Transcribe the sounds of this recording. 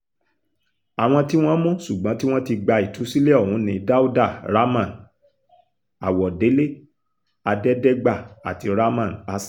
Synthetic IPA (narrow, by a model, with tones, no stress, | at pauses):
a˨w̃ɔ̃˧ti˦w̃ɔ̃˦mɔ̃˦ʃu˨ɡ͡bɔ̃˨˦ti˦w̃ɔ̃˦ti˧ɡ͡ba˧i˨tu˨˦si˦le˦ɔ˦˨hũ˨˦nĩ˧da˦u˦da˦˨ɾa˦mã˦˨n | a˨wɔ˨de˨˦le˦˨ | a˧dɛ˦dɛ˦ɡ͡ba˦˨a̰˨ti˧ɾa˦mã˦˨na˧s